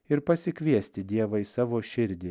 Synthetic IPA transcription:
ɪɾpɐsʲɪkʲʋʲiɛsʲt̪ʲɪd̪ʲiɛʋɐɪɪsɑːʋoːʃʲɪɾʲd̪ʲɪ

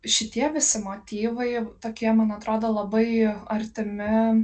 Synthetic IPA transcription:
ʃʲɪt̪ʲiɛʋʲɪsʲɪmoːt̪ʲiːʋɐɪt̪oːkʲiɛmɐnɐt̪ɾoːd̪oːlˠɐbɐɪɐɾʲt̪ʲɪmʲɪ

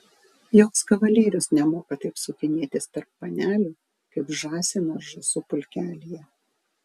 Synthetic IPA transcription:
joːkskɐʋɐlʲeːɾʲʊsnʲɛmoːkɐt̪ɐɪpsʊkʲɪnʲeːt̪ʲɪst̪ɐɾpːɐnʲæːlʲuː | kɐɪpʒɑːsʲɪnɐʒʊsʊpʊlʲkʲæːlʲijɛ

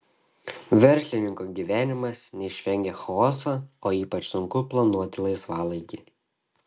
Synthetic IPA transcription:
ʋʲɛɾʲsʲlʲɪnʲɪŋkoːɡʲiːʋʲæːnʲɪmɐsnʲɛɪʃʲʋʲɛŋʲɡʲeːxɔːsɐoːiːpɐt͡ʃsʊŋkʊplˠɐnuɔt̪ʲɪlˠɐɪsʋɑːlˠɐɪɡʲiː

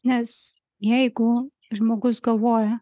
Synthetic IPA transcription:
nʲɛs | jɛjɡʊ | ʒmoːɡʊsɡɐlˠʋoːjɐ

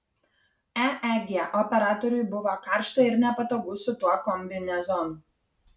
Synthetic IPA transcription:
ɛɛɡʲeʔɔpʲɛɾɑːt̪ɔɾʲʊjbʊʋokɑˑɾʃt̪oɪɾnʲɛpɐt̪oːɡʊsʊt̪uɔkɔmʲbʲɪnʲɛzɔnu

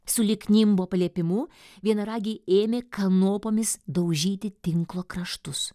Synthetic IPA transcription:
sʊlʲɪknʲɪmboːpɐlʲiɛpʲɪmʊ | ʋʲiɛnɐɾɑːɡʲiːeːmʲeːkɐnoːpoːmʲɪsd̪ɐʊʒʲiːt̪ʲɪt̪ʲɪŋklˠoːkɾɐʃt̪ʊs

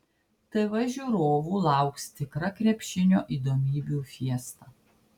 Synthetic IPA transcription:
t̪ɐɪʋɐʒʲʊɾoːʋuːlˠɑˑʊkst̪ʲɪkɾɐkɾʲɛpʲʃʲɪnʲo̰ːʔiːd̪oːmʲiːbʲuːˑfʲiɛst̪ɑː

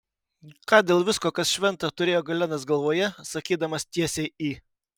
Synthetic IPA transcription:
kɑːd̪ʲeːlˠʋʲɪskoːkɐsʃʲʋʲɛnˑt̪ɐt̪ʊɾʲeːjoːɡɐlʲɛnɐs̬ɡɐlˠʋoːjɛsɐkʲiːd̪ɐmɐst̪ʲiɛsʲɛɪiː

